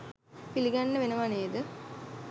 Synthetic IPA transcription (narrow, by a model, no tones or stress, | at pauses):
piliɡanːəʋenɐʋaneːd̪ə